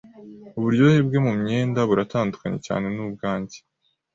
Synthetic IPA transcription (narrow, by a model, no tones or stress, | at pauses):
uβuɾɟohebɡe̞mumɲe̞ːndaβuɾataːndukaɲe̞̰ca̰ːne̞nub̚ɡaːɲɟe̥